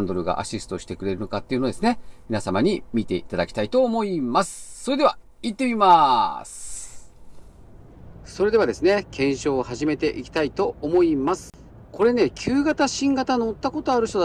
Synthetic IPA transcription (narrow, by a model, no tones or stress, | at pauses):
nd̪oɾɯ̟ɡa̰ʔa̰ɕisɨ̥o̞ɕi̥t̪e̞kɯ̟ɾe̞ɾɯ̟no̞kat̪ːeiɯ̟no̞d̪esɨne̞mʲinasamaɲ̟imʲit̪e̞it̪ad̪akʲi̥t̪ait̪o̞ːmo̞imasɨ̥so̞ɾe̞d̪e̞a | it̪ːe̞mʲimasɨ̥ | so̞ɾe̞d̪e̞βad̪e̞sɨne̞kʰẽ̞ɰ̃ɕo̞ːhaʑime̞t̪e̞ʔikʲi̥t̪ait̪o̞omo̞imasɨ̥ | ko̞ɾe̞ne̞kʲʰɨːɡat̪aɕĩŋɡat̪anoːt̪ːako̞t̪o̞aɾɯ̟ɕt̪o